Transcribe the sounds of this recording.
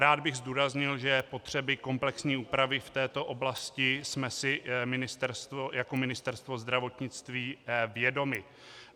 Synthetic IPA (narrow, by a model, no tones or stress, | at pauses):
ɾaːd̪̚bɪɣzd̪uːɾazɲɪlʒɛpo̞t̪r̝̥ɛbɪko̞mplɛksɲiːuːpɾavɪft̪ɛːt̪o̞ʔo̞blascɪsmɛsɪmɪnɪst̪ɛɾst̪vojako̞mɪnɪst̪ɛɾst̪vo̞zd̪ɾavo̞t̪ɲɪt͡st̪viːvjɛdo̞mɪ